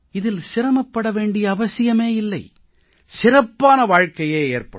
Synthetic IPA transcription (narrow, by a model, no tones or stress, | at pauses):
ɪðɪlsɪɾɐmɐpːɐɽɐʋeːɳɖɪjɐːʋɐsɪjɐmeːɪlːɐɪ | sɪrɐpːaːnɐʋaːɻkɐjeːeːrpɐ̰ɽ